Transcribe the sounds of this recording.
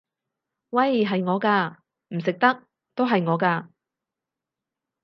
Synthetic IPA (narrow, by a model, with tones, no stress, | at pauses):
wɐ˥˨jɦɐ˨jŋɔː˨˧kaː˧ | m̩˨˩s̬ɪ˨k̚t̪ɐ˥k̚ | t̪o˥wɦɐ˨jŋɔː˨˧kaː˧